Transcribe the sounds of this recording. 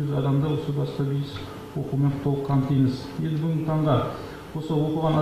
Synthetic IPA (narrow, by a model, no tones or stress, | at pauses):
ʏzɑd̪ɑmd̪ɑwo̞səbɑsq̪ɑbijɪs | wo̞qume̞ɴqʰʊ̥t̪ʰːɑlˠəp̚qʰɑmnt̪ijməzje̞nd̪ɪbɪɡʲt̪ʰɑɴʁɑ | wo̞səwo̞quʁɑnɑ